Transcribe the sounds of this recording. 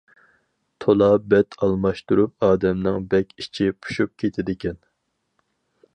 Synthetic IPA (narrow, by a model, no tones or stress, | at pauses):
t̪ʰolˠɑbɛt̪ʰɑlˠmɑʃt̪uɾup̚ɑːd̪ɛmnɪŋbɛkʲit͡ʃʰipʰu̥ʃup̚kʲʰet̪ʰɪd̪ɪkʲʰɛn